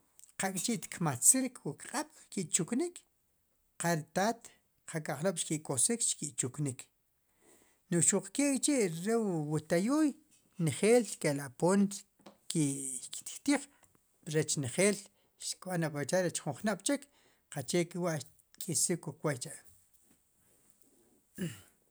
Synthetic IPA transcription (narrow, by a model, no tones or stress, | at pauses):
qakʼt͡ʃiʔt̪kmat͡siɾkwukqʼaɓ̥ʃkiʔt͡ʃuknik | qaɾit̪aːt̪ | qʰakaχloɓʃkiʔkosikt͡ʃkiʔt͡ʃuknik | noʔʃuq͡χkewt͡ʃiʔɾewwut̪ajuːj | nχeːlkelapoːn | kiki̥t̪i̥t̪iːχ | ɾet͡ʃnχeːl | ʃkɓanapat͡ʃaɾet͡ʃχuɴχnaʔɓ̥t͡ʃek | qat͡ʃekiwaʔ | kʰʼisikukwajt͡ʃaʔ